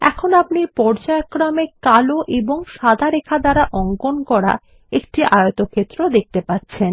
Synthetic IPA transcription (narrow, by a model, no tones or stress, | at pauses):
ɛ̰kʰonapnipɔɾd͡ʑaekːɾamekaloʔeboŋʃad̪ʱaɾekʰad̪aɾaʔɔŋkonkɔɾa̰ | ek̚ʈiʔajot̪okʰet̪ːɾod̪ek̚t̪epatːɕʰen